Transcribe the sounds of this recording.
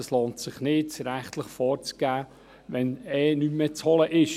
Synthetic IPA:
əsloːntsɪχnɪtsɾæχt̪ləχfɔːɾt͡sɡ̥æː | ʋɛnɛːnymːɛt͡shɔləʔɪʃ

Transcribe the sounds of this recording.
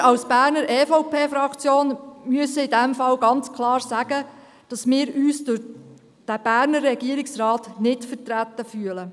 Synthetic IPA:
ɑwsb̥æːɾnəɾʔɛːfɔʊpʰeːfɾɑkt͡sjoːnmyəsəɪdɛmfɑlɡɑnt͡skʰlɑːɾsæɡ̥ə | d̥ɑsmɪːɾyːsd̥ʊɾ | d̥æb̥æːɾnərːɛɡiəɾɪksrɑːtnɪtfətɾæt̪ːəfyələ

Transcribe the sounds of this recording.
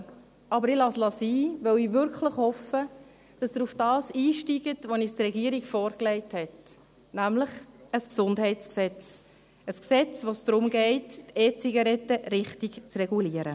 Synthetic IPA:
ɑbəɾɪlɑslɑsiːʋœwiːʋʏɾkləχhɔfə | d̥ɑsdəufd̥ɑːsiːʃtiɡətʋonistrɛɡiːəɾiɡfɔːɾklɛɪthɛt | næmləχəsksʊndɦɛɪtt͡sksɛt͡s | əsksɛt͡sʋosd̥ɾʊmɡɛɪtːeːt͡siɡɑɾɛtəɾɪχtikt͡srɛɡuliəɾə

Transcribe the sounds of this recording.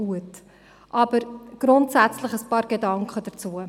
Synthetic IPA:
uət | ʔɑbəɾɡ̥ɾʊntsæt͡sləχəspɑːɾɡedɑŋkχədərt͡suə

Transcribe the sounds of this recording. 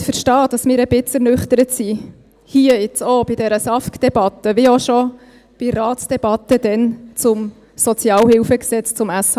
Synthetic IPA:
fəɾʃtɑːd̥ɑsmɪːɾəbɪt͡səɾnʏχt̪əɾətsi | hiəɪt͡sob̥id̥ɛɾəsɑfkd̥ɛb̥ɑt̪əʋɪoʃɔ | b̥iɾɑːtsd̥ɛb̥ɑt̪əd̥̪ɛnt͡sʊm | sɔt͡sjɑːlhɪwfəksɛt͡st͡sʊmæsɑ

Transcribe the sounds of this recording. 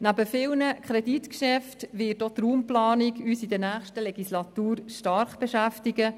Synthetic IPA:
næbəfɪlnəkʰχɾɛditkʃɛftʋɪːtot̪ɾuːmplɑːniɡyːsid̪ənæːχʃtəlɛɡislɑt̪uːɾʃtɑɾχb̥eʃæftiɡə

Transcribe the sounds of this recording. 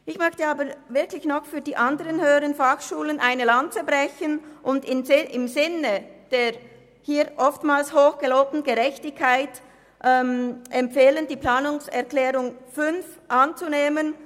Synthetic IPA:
ʔɪçmœçtəaːbəvɪɐklɪçnɔχfyːɐdiːʔandəʁənhøːʁənfaxʃuːlənʔaɪnəlant͡səbʁɛçənʔʊndɪnʔɪmzɪnəd̥eːʁ | hiːʔɔftmaːlshoːxɡ̥əloːp̚tn̩ɡəʁɛçtɪçkʰːaɪt | ʔɛmʔɛmpfeːləndiːpl̥aːnʊŋsɛʁklɛːʁʊŋfʏnfʔant͡suneːmən

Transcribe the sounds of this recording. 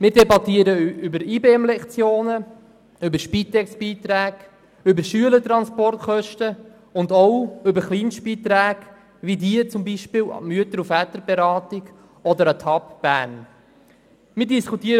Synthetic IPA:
mɪːɾdɛbɑt̪iːəɾəʏbəɾiːbeɛmlɛkt͡sjoːnə | ʏbəɾʃpiːt̪ɛksb̥iːt̪ɾæːɡ̥ | ʏbəʃyələt̪ɾɑnspɔrtχœʃtə | ʊnd̪ɔwʏbəɾχliːnʃtb̥iːt̪ɾæːɡ | ʋidiːət͡sʊmbiʃpɪːw̰myət̪əɾufætəɾbɛɾɑːtɪɡ | ɔd̪əɾət̪ʰɑpb̥æːɾn | mɪːɾdiskutiːəɾ

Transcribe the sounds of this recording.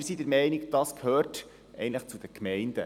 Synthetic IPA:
ɾsidəɾmɛɪniɡd̥ɑskʰhøːrt | ʔɛ̰ɪəntləχt͡sud̥̪əkmɛɪnd̥ə̰

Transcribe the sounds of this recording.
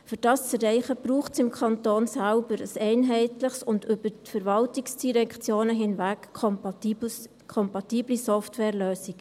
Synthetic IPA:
fyɾd̥ɑːst͡sərɛɪχəb̥ɾuːχtsɪmkʰɑntoːnsælbəɾə̰sɛɪnɦɛɪtləχsʊndʏbətfəɾvɑltiksd̥iɾɛkt͡sjoːnəɦɪnvæk | kʰɔmpɑtiːblisɔftwɛːɾløːsik

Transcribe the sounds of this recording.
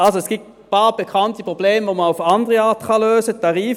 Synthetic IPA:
ʔɑlsoɛsɡ̥it | pɑːb̥ekʰɑntipʁobleːmvoməaʊfɑndəʁəɑːɐtχɑløːsətʰɑʁiːf

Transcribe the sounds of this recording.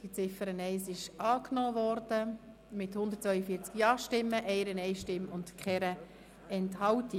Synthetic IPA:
d̥it͡sɪfəɾənɛɪsɪʃɑːknoːvɔɾd̥ə | mɪthʊndət̚t͡sʋœʏəfiːɾt͡skjɑːʃtɪmːəʔɛɪɾənɛɪʃtɪmʊntkχɛɾə | ɛnthɑlti

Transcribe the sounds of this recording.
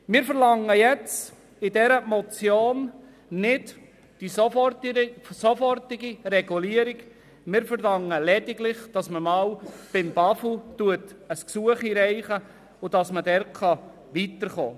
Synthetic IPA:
mɪɾfəɾlɑŋəjɛt͡s | ɪdɛɾəmɔt͡sjoːn | nɪd | d̥isofɔtsofɔrtɪɡirɛɡuliːəɾɪk | mɪɾfəɾlɑŋəlɛdɪɡlɪχd̥ɑsməmɑːlb̥ɪmb̥ɑfutuətəsksuəχiɾɛɪχə | ʊd̥ɑsmədɛɾkʰɑ | ʋiːtəɾχo̰ː

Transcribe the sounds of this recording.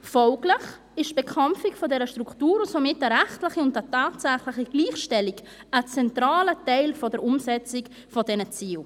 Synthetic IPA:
fɔlɡlɪχ | ɪʃb̥ɛkʰamfɪkfɔdɛɾəʃtɾuktuːɾʊsomɪtəɾɛχtlɪχiʊntətaːtsæχlɪχiɡliːχʃtɛlik | ət͡sɛntɾaːlətɛɪlfɔdəɾʊmsɛt͡sɪk | fɔdɛnət͡siːl

